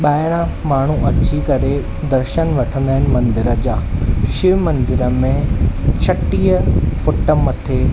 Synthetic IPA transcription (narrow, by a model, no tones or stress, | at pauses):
ɓaːɪɽ̃ã | maːɳ̤uʔɐt͡ɕikɐɾe | d̪ɐɾʃənʋɐʈʰə̃nd̪aːɪñɪ̆mɐ̃nd̪ɪɾəd͡ʑaːʃɪʋmɐ̃nd̪ɪɾəmẽt͡ɕʰɐʈiːəfʊʈəmɐt̪ʰe